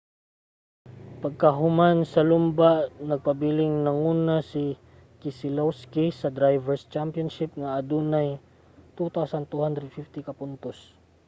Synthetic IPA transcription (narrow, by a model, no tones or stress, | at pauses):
pɐɡ̚kaɦʊmansɐlʊmbaʔnɐɡ̚pɐbilɪŋnɐŋuːnasɪ | kɪsɪlowskisɐd̪ɾajvɛɹst͡ʃampjɔnʃɪp̚ŋaʔːd̪unaj | t̪ut̪awsɐnt̪uhand̪ɾɛd̪̚fift̪ɪkɐpʊnt̪os